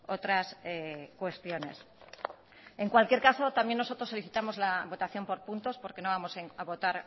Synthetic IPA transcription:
ot̪ɾasekwe̞st̪jo̞ne̞̰s | e̞ŋkwalkje̞ɾkaso̞t̪ambjenːosot̪ɾosːo̞liθit̪amo̞zlaβo̞t̪aθjo̞mpo̞ɾpunt̪o̞spo̞ɾke̞no̞β̞amo̞seaβo̞t̪aɾ

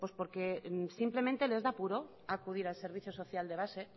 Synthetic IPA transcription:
pwo̞spo̞ɾke̞simple̞mẽnt̪e̞le̞zðapuɾo̞ | akuð̞iɾalse̞ɾβ̞iθjoso̞θjald̪e̞β̞ase̞

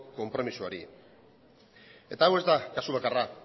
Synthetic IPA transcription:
ko̞mpɾo̞misuaɾi | e̞t̪aːwe̞zd̪akasuβ̞akara

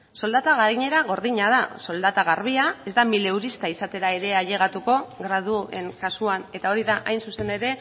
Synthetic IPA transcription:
so̞ld̪at̪aɣaɾiɲe̞ɾaɣo̞ɾðiɲaðaso̞ld̪at̪aɣaɾβiae̞zd̪amile̞uɾist̪aisat̪e̞ɾae̞ɾe̞aʎe̞ɣ̞at̪uko̞ɣɾað̞ue̞̰ŋkasuane̞t̪ao̞ɾiðaʔajnsuse̞ne̞ɾe̞

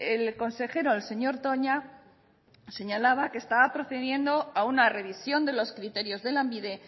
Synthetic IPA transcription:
e̞lko̞nse̞xe̞ɾo̞else̞ɲo̞ɾt̪o̞ɲa | se̞ɲalaβake̞ːst̪aβapɾo̞θe̞ðje̞nd̪o̞aunare̞βisjo̞nd̪e̞lo̞skɾit̪e̞ɾjo̞zðe̞lambiðe̞

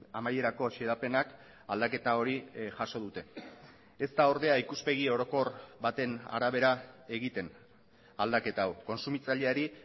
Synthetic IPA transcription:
amaje̞ɾako̞ʃeðape̞nak | ald̪ake̞t̪ao̞ɾiʝaso̞ð̞ut̪e̞ | e̞st̪ao̞ɾðeaikuspe̞ɣio̞ɾo̞ko̞rβat̪e̞na̰ɾaβ̞e̞ɾae̞ɣ̞it̪e̞n | ald̪ake̞t̪aawko̞nsumit͡saʎe̞aɾi

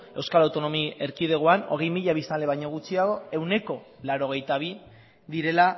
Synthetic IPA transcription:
e̞wskalawt̪o̞no̞mie̞ɾkið̞e̞ɣ̞oano̞̰ɣ̞e̞jmiʎaβ̞ist̪anle̞βajɲo̞ɣ̞ut͡siaɣo̞e̞wne̞ko̞ | laɾo̞ɣ̞e̞jt̪aβ̞i | ðiɾe̞la

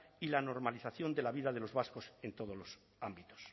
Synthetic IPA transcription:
ilano̞ɾmaliθaθjo̞nd̪elaβ̞iðaðe̞lo̞zβaskosent̪oð̞olos | ambit̪os

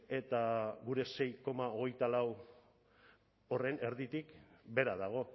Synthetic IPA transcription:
e̞t̪aɣuɾe̞se̞jko̞mao̞ɣ̞e̞jt̪alaw | o̞re̞ne̞ɾðit̪ikbe̞ɾaðaɣ̞o̞

